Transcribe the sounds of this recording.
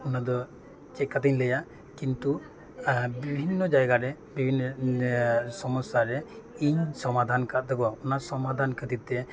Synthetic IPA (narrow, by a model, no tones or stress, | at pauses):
unad̪ɔ | t͡ʃɛt̚kːat̪iɲləja | kint̪u | bibʱinːɔd͡ʒajɡaɾɛ | bibʱinːɔ | sɔmɔsːaɾɛiɲsɔmad̪ʱankat̪̚d̪ɛɡɔaunasɔmad̪ʱankəd̪it̪ɛ